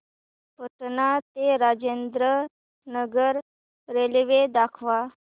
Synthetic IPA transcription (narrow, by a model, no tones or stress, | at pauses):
pət̪nat̪eɾad͡ʑend̪ɾə | nəɡəɾ | ɾelʋed̪akʰʋa